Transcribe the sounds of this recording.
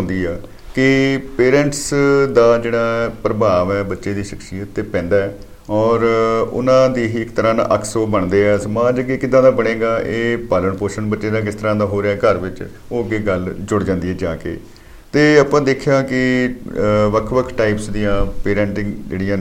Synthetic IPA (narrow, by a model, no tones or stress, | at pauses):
ɦʊ̃nd̪iːɛː | kɪpeːɾɛ̃ːɳʈsd̪aːd͡ʒeːɽaːpɾəbaːʋɛːbətːʃeːd̪iːʃəksijət̪ːepɛ̃ːnd̪aːɛː | ɔːɾʊ̰nãːd̪iːɦiːɪkt̪əɾãːna̰ʔəkʰsoːbəɳd̪eːɛːsəmaːd͡ʒkikɪd̪ãːd̪aːbəɽẽːɡaːʔeːpaːləɳpoːɾʃənbətːʃeːd̪aːkɪst̪əɾãːd̪aːɦoːɾeaːkəɾʋɪt͡ʃ | oːəɡeːɡəld͡ʒʊɽd͡ʒãːnd̪iːɦɛːd͡ʒaːkḛː | t̪eːəpãːd̪eːkʰjaːkɪ | ʋəkʰʋəkʰʈaːiːpsd̪ijãːpeːɾɛ̃ːɳʈɪ̃ŋɡd͡ʒḛːɽɪijãː